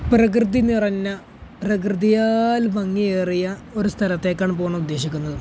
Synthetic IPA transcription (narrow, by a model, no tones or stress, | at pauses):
prɐk̬rɨd̪inirɐnːɐ | prɐk̬rɨðijaːlʋɐŋːieːrijɐo̞ɾust̪ʰɐɾɐt̪ːe̞ːkːaːɳp̬oːɳɐmud̪ːe̞ːɕikʲːunːɐðɨ